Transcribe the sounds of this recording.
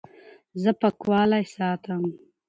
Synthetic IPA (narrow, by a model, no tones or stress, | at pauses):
zɐpɐkwɑːlajsɑːt̪ʰam